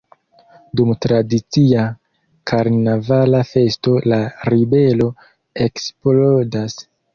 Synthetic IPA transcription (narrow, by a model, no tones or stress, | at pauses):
dumtɾadit͡sia | kʰaɾnavalafe̞sto̞laɾibe̞lo̞ | eksplodas